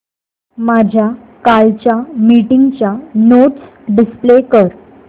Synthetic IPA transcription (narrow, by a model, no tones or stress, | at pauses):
mad͡ʑʱja | kalt͡ɕjamiʈiŋɡt͡ɕjanoʈs | ɖisplekəɾ